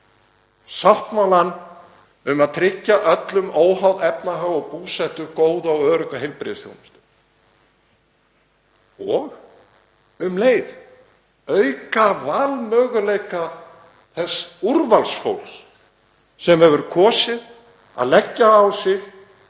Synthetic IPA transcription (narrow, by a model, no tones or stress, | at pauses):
sawht̪mawlan | ʏmaðt̪ʰɾɪcːaʔœt̪lʏmoːwɦawðɛpnaɦaɣɔɣpuːsɛht̪ʏɾkoːwðawœːɾʏkaɦejlpɾɪ̰ðsθjo̰wnɪst̪ʏ | ɔɣ | ʏmleːjð | œɥkavaːlmœːɣʏlejka | θɛsːuɾvalsfo̰wls | sɛmhɛvʏɾkʰɔːsɪð | a̰ðlɛcːaːwsɪx